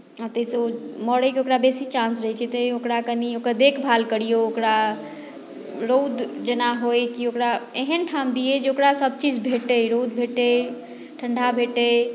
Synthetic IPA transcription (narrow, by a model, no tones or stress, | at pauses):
at̪əseməɽəkeokɾabesit͡ʃãnsɾəɦɛt͡ʃʰɛt̪əokɾakəniokɾad̪ekʰbʱalkəɽijookɾa | ɾod̪d͡ʒenaɦojkiokɾaeɦənʈʰamd̪ijed͡ʒeokɾasəb̚t͡ʃid͡ʒbʱeʈəɾod̪bʱeʈe | ʈʰəɳɖʱabʱeʈe